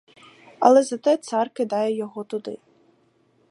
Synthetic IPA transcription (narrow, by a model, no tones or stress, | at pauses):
ɐ̰lˠɛzɐt̪ɛt̪sɑrkɪd̪ɑjɛjɔɦɔt̪ʊd̪ɪ̰